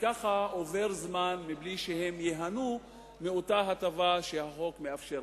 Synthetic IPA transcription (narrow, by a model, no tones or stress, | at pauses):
kaχaove̞ʁzmanmibliʃehe̞mjeɦanu | meo̞taɦat̪avaʃehaχo̞kmeafʃe